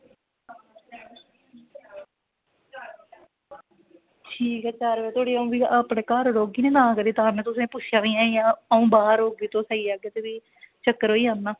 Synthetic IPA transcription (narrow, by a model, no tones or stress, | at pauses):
ʈʰiːkɛt͡ʃaːɾʋeːt̪ʰoːɽiːaũːbiːaːpɽeːkaːɾɾoːɡiːnẽːd̪ãːkəɾiːt̪aːnẽt̪ʊsẽːpʊt͡ʃʰɪjaːʋĩːãːjãːəũːbaːɾoːɡiːt̪õːsaiːaːɡeːt̪eːʋiː | t͡ʃəkːəɾɦoːiːanːãː